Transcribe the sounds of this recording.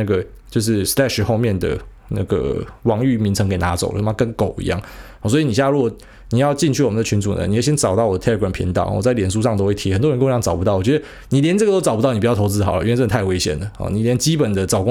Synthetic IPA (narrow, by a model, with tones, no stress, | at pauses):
na˥˩ɡə˩ | t͡ɕjo˥˧ʊʂ̬ɻ̩˥˩slɛ˥ʂɻ̩˨˩xo˥˧ʊmjɛ˥˩nd̪ə̰˩ | na̰˥˩ɡə̰˩wɑ˧˥ŋy˥˩mi˧˥nt͡sʰɤ˧˥ŋke˨˩ɪna˧˦˥t͡so˨˩ʊə̰˧˥˩kə˥˧ŋko˨˩ʊḭ˧˦jɑ̰˥˩ŋ | ɔ˨˩swɔ˧˥i˨˩ni˨˩ɕja˥˧ɻu˧˥wɔ˨˩ | ni˨˩jɑ˥˧ʊt͡ɕi˥˧nt͡ɕʰy˥˩wɔ˨˩mə˨nd̪ə˨t͡ɕʰy˧˥nt͡su˨˩nə̰˦n˨˩wɕjɛ˥nʈ͡ʂɑ˨˩ʊt̪ɑ˥˩wɔ˨d̪ə˦t̪ʰlə˧ɡɹmpʰḭ˧˥ŋt̪ɑ̰˨˩ʊ̰˨˩wɔ̰˨˩t͡sa˥ɪljɛ˨˩nʂu˥ʂɑ˥˧ŋt̪o˥ʊxwe˥˩ɪt̪ʰi˦xnt̪wɻnko˥˧˥ŋt͡sɑ˨˩pu˧t̪ɑ˥˩ʊwɔ˨˩t͡ɕɥɛ˧˥ə˧ | ni˨˩ljɛ˧˦nt͡sə˥˩ɡə˩t̪o˥ʊt͡sɑ˨˩ʊpu˥ɑ˥˩ni˩pu˨˩jtʰo˧˥ʊt͡sɹ̩˥xɑ˨˩ʊlə̰˦˨˥t͡st̪ʰɪwe˧˥ɪɕjɛ̰˨˩nd̪ə˩hɔ̰˨˩ni˨˩ljɛ˧˥nt͡ɕi˥pə˨˩nd̪ə˦t͡sɑ˨˩ʊkʊ˥˦